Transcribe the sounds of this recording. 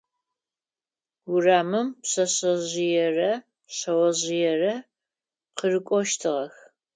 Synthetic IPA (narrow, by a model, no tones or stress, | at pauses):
wʊraːmɨmpɕɐɕɐʑɪjɛrɐ | ɕɐwɐʑɪjɛrɐ | qərɨkʷʼɔʃtʰɨʁɐx